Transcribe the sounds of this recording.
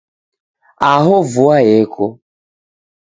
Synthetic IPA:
aɦʊvʊaɣekʰʊ

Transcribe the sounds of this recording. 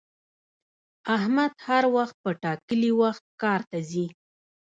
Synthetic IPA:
ahmad̪haɾwaxt̪̚pəʈɑkəliwaxt̪̚kɑɾt̪azi

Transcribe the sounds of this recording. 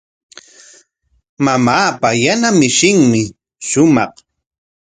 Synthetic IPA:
mamaːpajanamɪʃɪŋmɪ | ʃʊmɑχ

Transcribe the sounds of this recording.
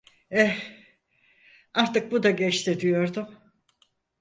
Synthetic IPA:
ɛ | aɾt̪ɯk̚bud̪aɟɛt͡ʃt̪ʰɪd̪ijo̞ɾd̪ʊm

